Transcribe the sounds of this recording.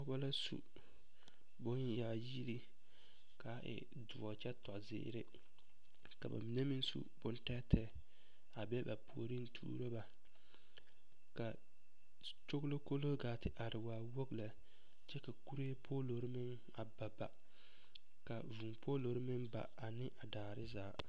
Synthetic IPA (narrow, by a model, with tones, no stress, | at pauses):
ba˦la˦sṵ˨ | bʊ˦n˦jaː˨ji˦ɾi˦ | ka˨˦ʔɪ̰˨ | dʊ˨wɔ˨t͡ʃɛ˦tɔ˨ʔzɪ̰˦ɾɪ˦ | ka̰˨ba̰˨mi˨ne˦mi˦nsṵ˦bʊ˦n˦ta˦tʰɛ˦ | a˨bɛ˦ba˨pʰu˨o˦˨ɾi˦n̩˦tʰṵː˦ɾo˦ba˨ | ka˨ | t͡ʃo˦ɡlo˦ko˦lo˦ɡaː˨tɪ˨ʔa˨ɾɪ˨waː˨wo˦ɡla˨ | t͡ʃɛ˦ka˨ku˦ɾe˦pʰoː˦lo˨ɾɪ˦mɪ˦n | a˨ba˨ba˨ | ka˨vu˨mpʰo˦lo˨ɾɪ˦mɪ˦nba̰˨a˨nɪ˦ʔa˨daː˨ɾɪ˦zaː˨˦˨